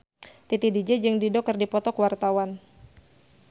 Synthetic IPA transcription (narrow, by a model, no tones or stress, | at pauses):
t̪it̪idid͡ʒɛd͡ʒɨŋdidɔkərdipɔt̪ɔkwart̪awan